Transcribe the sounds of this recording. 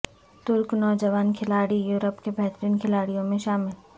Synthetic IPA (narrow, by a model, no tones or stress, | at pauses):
t̪ʊɾknɔːd͡ʒəʋaːnkʰɪlaːɽijuːɾəpkebʱɛɦt̪əɾiːnkʰɪlaːɽijõmẽʃaːmɪl